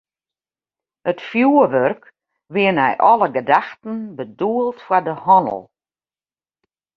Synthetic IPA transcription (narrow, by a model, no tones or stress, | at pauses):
ətfjuəʋørk | ʋɪənɛ̰jʔɔləɡədaxtən̩bəduəlˠtfwadəhɔnə̰lˠ